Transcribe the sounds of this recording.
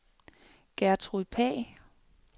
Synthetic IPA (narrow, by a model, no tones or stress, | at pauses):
ɡ̥æɐt͡sʰʁuðpʰɛ̰ː